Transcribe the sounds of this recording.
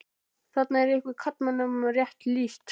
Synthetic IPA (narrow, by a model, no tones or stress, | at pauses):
θat̪̚naɛɾɪhkvɪɾkʰat̪manamrjɛht̪liːst̪